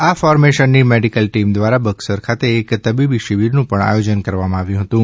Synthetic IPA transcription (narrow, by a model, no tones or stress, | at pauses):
afɔɾmeʃənːimeɖikəlʈimd̪ʋaɾabəɡsəɾkʰat̪eːkt̪əbibiʃiʋiɾnũpəɳa̰jod͡ʒənkəɾʋamãaʋjũɦət̪ũ